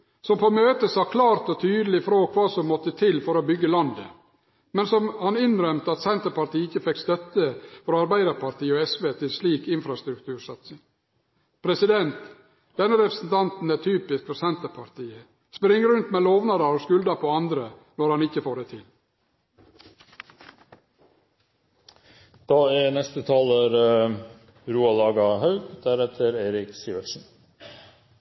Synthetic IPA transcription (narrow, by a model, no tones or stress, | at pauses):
sɔmpʰoːmøːt̪əsɑːkʰlɑːɾt̪ɔt̪ʰyːd̪əlɪfɾoːkʰʋɑːsɔmːɔt̪ːət̪ʰɪlfɔɾɔbʏɡːəlɑnd̪ə̰ | mɛnsɔmhɑnɪnɾœmt̪əɑt̪sɛnt̪əɾpɑɾt̪iːɪçːəfɛkst̪œt̪ːəfɔɾɑɾbæɪd̪əɾpɑɾt̪ʰiːəɔɛsʋeːt̪ʰɪlsliːkɪnfɾɑst̪ɾʉkt̪ʰʉːɾsɑt̪sɪŋ | pʰɾɛsɪd̪ɛnt̪ | d̪̥ɛnːəɾɛpɾəsn̩t̪ʰɑnt̪n̩æt̪ʰyːpɪskfɔɾsɛnt̪əɾpʰɑɾt̪ʰiːə | spɾɪŋːəɾʉnt̪meːloːʋnɑɾɑɾoskʉld̪ɑpʰoːɑnd̪ɾənɔɾhɑnɪçəfoːɖɛt̪ʰɪl | d̪̥ɑːænɛst̪ət̪ʰɑːləɾ | ɾuːɑlɑːɡɑhɑʉɡd̪̥æɾɛt̪ʰəɾeːɾɪksiːʋəsn̩